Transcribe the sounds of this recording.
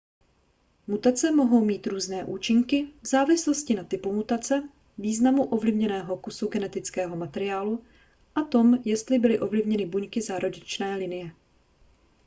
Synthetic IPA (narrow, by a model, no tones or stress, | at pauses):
mut̪at͡sɛmo̞ɦo̞wmiːt̪ɾuːznɛːʔuːt͡ʃɪŋkɪvzaːvɪslo̞scɪnat̪ɪpumut̪at͡sɛ | viːznamuʔo̞vlɪvɲɛnɛːɦo̞kusuɡɛnɛt̪ɪt͡skɛːɦo̞mat̪ɛɾɪaːlu | ʔat̪o̞mjɛst̪lɪbɪlɪʔo̞vlɪvɲɛnɪbuɲkɪzaːɾoɟɪt͡ʃnɛːlɪnɪjɛ